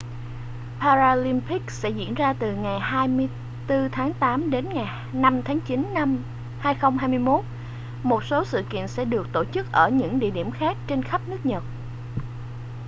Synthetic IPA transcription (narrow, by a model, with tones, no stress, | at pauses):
paː˧zaː˧li˧mpi˦˥k̚sɛ̰˧˥zḭ˧˥ənzaː˧t̪ɨ˨˩ŋa˨˩jhaː˧jmɨ˧əj | t̪ɨ˧t̪ʰaː˨˦ŋt̪aː˨˦mɗe˨˦nŋa˨˩j | na˧mt̪ʰaː˨˦ŋt͡ɕi˨˦n˧m | haː˧jxə˧wŋ͡mɦaː˧jmɨ˧əjmo˦˥t̚ | mo˨˩t̚so˨˦sɨ̰˧˨kḭ˧˨nsɛ̰˧˥ɗɨ˨˩ək̚t̪o˧˩t͡ɕɨ˦˥k̚ʔəː˧˩ɲɨ̰˧˥ŋɗḭ˧˨əɗi˧˩əmxaː˦˥k̚t͡ɕe˧nxə˦˥p̚nɨ˦˥ək̚ɲə˨˩t̚